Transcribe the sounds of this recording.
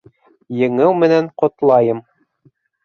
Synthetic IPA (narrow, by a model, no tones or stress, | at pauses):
jɘ̆ŋɘwmɘ̆næɴqŏt̪lˠɑjɤm